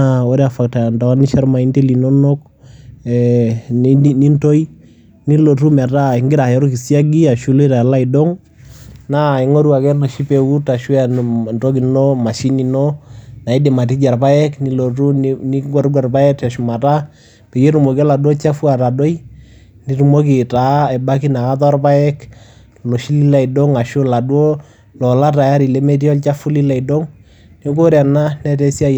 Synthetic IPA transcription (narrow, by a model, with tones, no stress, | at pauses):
awɔ˦ɾɛ˦a˨fa˨k̚ta˨nda˨wa˦ni˦ʃa˦ɾma˨i˦ndi˦li˨nɔ˦nɔ˦k̚ | ɛ˨˦ | ni˦nto˦i˦ | ni˦lo˨tu˦mɛ˨ta˦ɪ˨ŋɡɪ˦ɾa˨ɔ˦ɾɔ˦ki˨si˦a˦ɡi˦a˨ʃu˦lu˦i˦ɾa˨la˦i˨dɔ˦ŋ | na˦˨i˨ŋɔ˦ɾu˦a˨kɛ˦nɔ˨ʃi˦pe˨ku˦ta˨ʃu˦a˨ntɔ˦ki˨nɔ˦ma˨ʃi˦ni˨nɔ˦na˨i˦dɪ˨ma˨t̬i˦d͡ʒa˨ɾpa˦ɛ˦kni˦lo˨tu˦ni˦ɡɔ˦ɾɡwa˨rpa˦ɛ˦k̚tɛ˨ʃʊ˨ma˨ta˦ | pe˨je˦ɾu˨mo˨kɛ˦la˨dwɔ˦t͡ʃa˦fu˦a˨ɾa˨do˦i˦ | ni˦ɾu˨mo˦k̬i˨ta˨˦ɛ˨ba˦k̬i˦na˨ka˦tɔ˦rpa˦ɛ˦k | lo˨ʃi˦li˦la˨i˨do˦ŋa˨ʃo˦la˨dwo˦ | lɔ˨la˦ta˨ja˦ɾi˨le˦me˦ti˦ɔ˦lt͡ʃa˦fu˦li˦la˨i˨do˦ŋ | ni˦ko˦ɾja˨na˦nɛ˦tɛ˦si˦a˦